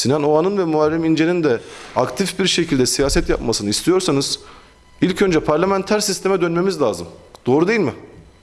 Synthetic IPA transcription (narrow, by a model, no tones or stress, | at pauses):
sinanoanɯnvɛmualʲːimind͡ʒenind̪ɛakt̪ʰifbiɾʃe̞cʰilʲd̪ɛsijaːsɛt̪ja̰pmasɯnɯist̪ʰijo̞ɾsanɯz̥ | ilʲcʰø̞nd͡ʒɛpʰaɾlʲamænt̪ʰæɾsist̪ʰe̞mɛd̪ønme̞mizlʲaːzɯ̰md̪̥o̞ːɾud̪ejilʲmɪ